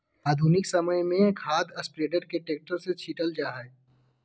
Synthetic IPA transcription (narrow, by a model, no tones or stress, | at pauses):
aːd̪ʱuːnɪksɐməjmẽkʰaːd̪ɐspɾeːɖəɾkeʈeːk̚ʈəɾset͡ʃʰiːʈəld͡ʒaːɦɛ